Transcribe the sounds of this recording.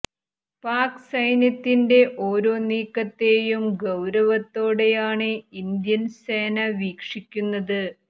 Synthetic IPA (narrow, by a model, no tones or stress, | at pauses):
paːksɐjnjɐt̪ːinde̞ʔo̞ːɾo̞ːniːkːɐt̪ːe̞ːjumɡɐwɾɐʋɐt̪ːo̞ːɽe̞jaːɳɨind̪jɐnse̞ːnɐʋiːkʂikʲːunːɐðɨ